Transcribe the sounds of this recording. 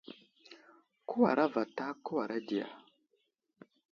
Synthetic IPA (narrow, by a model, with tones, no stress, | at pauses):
ku˦wa̰˨ɾa˦va˨ta˦ku˦wa˨ɾa˦di˨ja̰˨